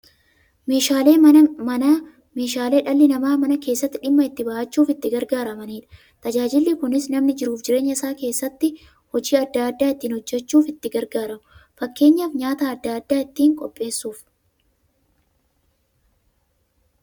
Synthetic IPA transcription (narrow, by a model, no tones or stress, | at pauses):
meːʃaːeːɐnɐ | me̞ːʃaːle̞ːᶑɐlːɪnɐmaːmɐnɐke̞ːsːɐt̪ːɪᶑɪmːɐɪt̪ːɪbɐʔɐt͡ʃːuːfɪt̪ːɪɡɐɾɡaːɾɐmɐniːᶑɐ̥ | t̪ɐd͡ʒaːd͡ʒɪlːɪkʊnɪsnɐmnɪd͡ʒɪɾuːfd͡ʒɪɾe̞ːɲːɐɪsaːke̞ːsːɐt̪ːɪ | hɔd͡ʒiːɐd̪ːaːd̪ːaːɪt̪ːiːnhɔd͡ʒːɛt͡ʃːuːfɪt̪ːɪɡɐɾɡaːɾɐmʊfɐkːe̞ːɲːaːfɲaːt̪aːɐd̪ːaːd̪ːaːɪt̪ːiːŋkʼɔpʼːe̞ːsːuːf